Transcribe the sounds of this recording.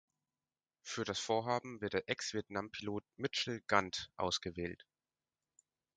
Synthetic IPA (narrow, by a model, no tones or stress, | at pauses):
fyːɐɾasfoːɐɦaːbm̩vɪɐtdeːɐʔɛksv̥iɐtnampʰiloːt̚mɪt͡ʃl̩ɡ̥antʔa̰ʊsɡ̥əvɛːlt